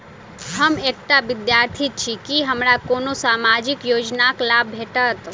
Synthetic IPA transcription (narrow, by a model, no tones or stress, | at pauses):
ɦəmek̚ʈabid̪jaɾt̪ʰit͡ʃʰikiɦəmɾakonosamad͡ʒikjod͡ʒnaklabʱeʈət̪